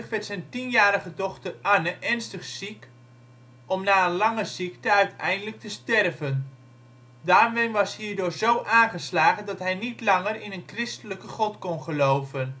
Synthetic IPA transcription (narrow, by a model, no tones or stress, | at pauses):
χʋɛtsɛjntinjaːɾəχədɔχtərʔanəʔɛɹnstəχsik | ɔmnaːənlɑŋəzik̚təœɥtʰɛ̰jndələk̚təstɛrvən | daːrʋɪnʋɑshiːɹdʊːɹzowʔaːnχəslaːχəndɑtɦɛjnitlɑŋərɪnənkrɪstələkəχɔtkɔnχəlowvən